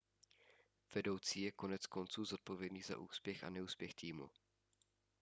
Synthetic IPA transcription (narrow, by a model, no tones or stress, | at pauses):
v̥ɛdo̞wt͡siːjɛko̞nɛt͡sko̞nt͡suːzo̞t̪̚povjɛdniːza̰ʔuːspjɛxa̰nɛuːspjɛxt̪iːmṵ